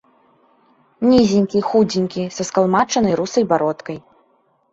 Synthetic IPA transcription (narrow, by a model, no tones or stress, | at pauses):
nʲizʲinʲkʲixud͡zʲinʲkʲisɐskalˠmat͡ʂɐnɐjɾusɐjbaɾɔt̪kɐj